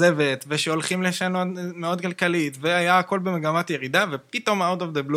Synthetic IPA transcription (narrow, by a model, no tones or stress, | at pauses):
e̞vetveʃeo̞lχimleʃano̞tmeo̞d̪kalkalitveajaːko̞lbemeɡamatjeʁid̪avepit̪o̞maod̪ovd̪eblu